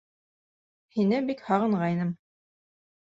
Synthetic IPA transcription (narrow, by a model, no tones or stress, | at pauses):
hinɘbikhɑʁɤ̆ɴʁɑjnɤm